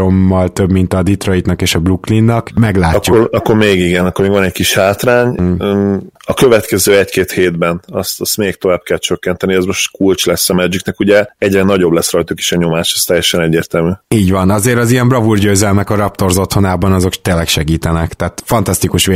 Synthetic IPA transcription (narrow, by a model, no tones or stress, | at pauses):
omːɒlt̪øbmint̪ɒd̪it̪ro̞it̪nɒkeːʃɒbluklinːɒkmɛɡlaːuoɒkːoɾmeːɡiɡɛnɒkːormeːɡvɒnɛckiʃhaːt̪raːɲ | ɒkø̞vɛt̪kɛzøːɛckeːt̪heːd̪bɛnɒst̪st̪meːkt̪o̞vaːb̚kɛlt͡ʃøkːɛnt̪ɛniɛzmo̞ʃt̪kult͡ʃlɛsːɒmɛd͡ʒiknɛkuɟɛɛɟrɛnɒɟo̞blɛsrɒjt̪uki̥ʃɛɲo̞maːʃɛst̪ɛjːɛʃɛnɛɟːeːrt̪ɛlmyiːɟʋɒnɒzeːɾɒzijɛmbrɒvurɟøːzɛlmɛkɒɾɒpt̪o̞rzo̞t̪ho̞naːbɒnɒzo̞kt̪eːlːɛkʃɛɡiːt̪ɛnɛkt̪aːt̪fɒnt̪ɒst̪ikuʃʋe